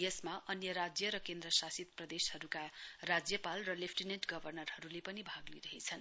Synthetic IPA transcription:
jesmaʔʌnjʌɾad͡zjʌɾʌkend̪rʌsasit̪̚prʌd̪eshʌɾukarad͡zjʌpalrʌlepʰʈineʈɡʌbʱʌrnʌrhʌɾulepʌnibʱaɡliɾʌɦet͡sʰʌn

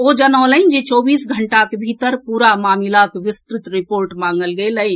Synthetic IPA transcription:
od͡ʒənəːlənd͡ʒet͡ʃɔbiːsɡʱəɳʈakebʱit̪əɾpuɾamaːmilakeʋist̪ɾɪt̪ɾipoɾʈmãŋɡəlɡelə

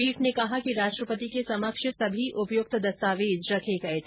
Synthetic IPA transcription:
iːʈnekɐɦakiɾaːʃʈɾəpət̪ikesɐməkʃəsɐbʱiʔʊpjʊk̚t̪d̪ɐst̪aːʋeːd͡ʒɾɐkʰeɡɐet̪ʰ

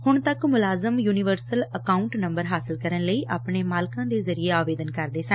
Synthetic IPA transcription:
hʊɳt̪əkmʊlaːzəmjuːnɪʋəɾsələkaːuɳʈnəmbəɾɦaːsɪlkəɾənləiːʔa̰ːpɳeːmaːlkãːd̪eːzəɾieːaːʋeːd̪ənkəɾd̪eːsə̃n

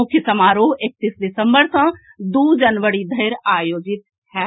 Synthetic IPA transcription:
ʊkʰjəsɐmaːɾoːɦek̚t̪iːsd̪ɪsə̃mbəɾsə̃ | d̪uːd͡ʒənʋəɽid̪ʱɐɾaːjoːd͡ʒɪt̪̚ | hɛː

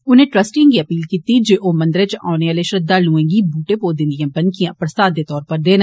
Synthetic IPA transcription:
ʊnẽːʈɾəsʈĩŋɡiəpiːlkiːt̪id͡ʒeːʔoːmə̃nd̪əɾet͡ʃa̰ːʊneəleʃɾəd̪aːlũːẽːɡibuːʈepoːd̪ɪ̃nd̪ijãːbənkijãpɾəst̪aːd̪eːt̪ɔːɾpəɾd̪eːn

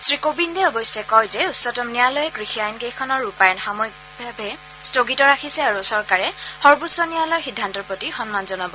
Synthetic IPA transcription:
sɹikobindɛɔbɔjsɛkɔjzɛutsɔtɔmnijalɔjkɹixiajnkejkʰɔnɔɹupajnxamɔjk̚ | bʱabɛ | stoɡitɔɹakʰisɛaɹusɔɹkaɹɛhɔɹbusːɔnijalɔjxidʱːantɔɹpɹotixɔnmanzɔnabɔ

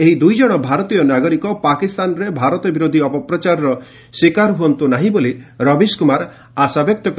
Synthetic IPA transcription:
eɦid̪ujd͡ʒɔɽ̃ɔbʱaɾɔt̪ijɔnaɡɔɾikɔpakist̪anɔɾebʱaɾɔt̪ɔbiɾod̪ʱiɔpɔpɾɔt͡ʃaɾɔɾɔ | swikaɾɦuɔnt̪unaɦĩboliɾɔbiskumaɾ | asabjɔk̚t̪ɔk

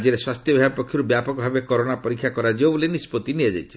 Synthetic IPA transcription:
d͡ʒeɾeswast̪jɔbʱiapɔkʰjɔɾubjapɔkɔbʱabekɔɾonapɔɾikʰjakɔɾad͡ʒewbɔlenispot̪iniad͡ʒa̰jt͡ʃʰi̥

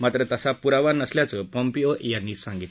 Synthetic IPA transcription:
mat̪ɾət̪əsapuɾaʋaɾnəsljat͡səpɔmpijojanːiːsãŋɡit̪

